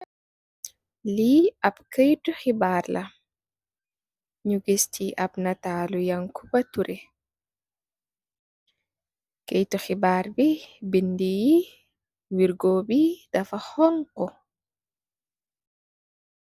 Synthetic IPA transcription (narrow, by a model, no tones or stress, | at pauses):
liab̚kajtɔxibaɾlʔa | ɲuɡistʰiʔabnataːlujaŋkʰubatuɾʔɛ | kejtɔxibaɾbibindiji | wiɾɡoːbidafahɔŋkɔ